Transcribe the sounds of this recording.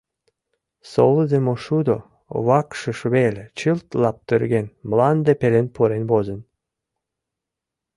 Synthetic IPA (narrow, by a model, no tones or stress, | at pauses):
soləd̪emoʃud̪o | βɑkʃə̆ʃβelʲet͡ɕɨlt̪lɑp̚t̪ørɡenmlɑnd̪epelenpʰuɾenbozən